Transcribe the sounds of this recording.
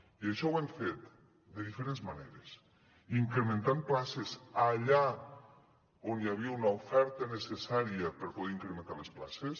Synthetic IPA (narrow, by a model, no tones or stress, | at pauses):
iəʃɔwɛɱfet̪ | d̪eðifeɾenzmaneɾes | iŋkɾemẽnt̪amplasezaʎa | onjaβ̞iəunɐofɛɾt̪ənesesaɾiəpəɾpoðɛiŋkɾemẽnt̪alesplases